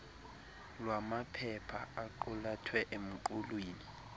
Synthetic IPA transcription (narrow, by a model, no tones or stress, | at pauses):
lwamapʰɛpʰaaǃɔlatʰwɛʔem̩ǃulweːni